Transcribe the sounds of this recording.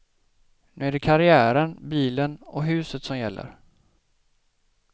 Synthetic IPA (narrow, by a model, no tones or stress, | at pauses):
nʉ̟ːæɖɛkʰaɾɪæːɾənbiːlənɔɦʉ̟ːsət̪sɔmjɛlːə̰ɾ